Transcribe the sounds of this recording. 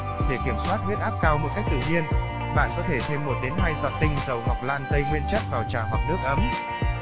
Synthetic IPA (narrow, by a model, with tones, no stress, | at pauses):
ɗe˧˩ki˧˩əmswaː˦˥t̚hwət̚ʔaː˦˥p̚kaː˧wmo˨˩t̚ka˦˥jk̚t̪ɨ̰˧˨˩ɲi˧ən | ɓa̰ː˧˨nkɔ˨˦t̪ʰe˧˩t̪ʰe˧mːo˨˩t̚ɗe˨˦nɦaː˧jsa̰˨˩t̚t̪ï˧ŋ̟zə˨˩wɦa˨˩k͡p̚laː˧˩nt̪ə˧jŋwi˧ənt͡ɕə˦˥t̚vaː˨˩wt͡ɕaː˧˩ɦwa˨˩wk͡p̚nɨ˦˥ək̚ʔə˨˦m